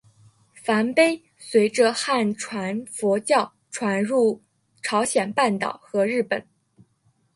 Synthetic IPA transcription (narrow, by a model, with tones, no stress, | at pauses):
fa˧˥npe˥ɪ | swe˧˥ɪʈ͡ʂə˧xa˥˩nʈ͡ʂʰwa˧˥nfwɔ˧˥t͡ɕjɑ˥˩ʊ | ʈ͡ʂʰwa˧˥nɻu˥˩ | ʈ͡ʂʰɑ˧˥ʊɕjɛ˨˩npa˥˩nt̪ɑ̰˨˩ʊxɤ˧˥ɻɻ̩˥˩pə˨˩˦n